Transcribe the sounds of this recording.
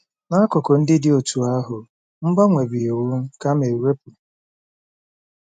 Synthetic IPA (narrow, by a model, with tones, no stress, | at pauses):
na˦kʊ˨kɔ˨n̩˦dɪ˦dɪ˦o˨tu˨a˦ɦʊ˨ | m̩˦ba˦ŋʷe˨bi˨o˨wʊ˦ka˦me˨we˦pʊ˨